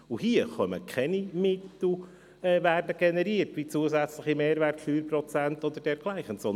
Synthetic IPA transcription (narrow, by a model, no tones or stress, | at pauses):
uhiːəχœməkʰɛnimɪt̪l̩ | ɛːværdəɡ̥enɛɾiːərtʋit͡suəzɛt͡slɪχimeːɾvɛrtfyːɾprɔt͡sɛnt̪ɔd̪əd̥ɛɾɡ̥laɪχənsɔn